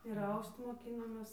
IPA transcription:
ɪr ˈɐʊst moːˈkʲiːnoːmʲeːs

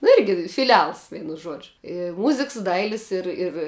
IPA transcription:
nʊ ˈɪrʲɡʲɪ fʲɪˈlʲɛlˠs ˈʋʲɛɪnʊ ˈʒuɔd͡ʒʲʊ ɪ ˈmʊzʲɪks ˈdɐɪlʲɪs ˈɪr ɪr

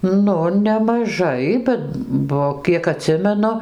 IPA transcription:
ˈnʊ nʲɛmɐˈʒɐɪ bʊʋoː ˈbʲɛt ˈbuɔ ˈkʲiɛk ɐˈtʲsʲɪmʲɛnʊ

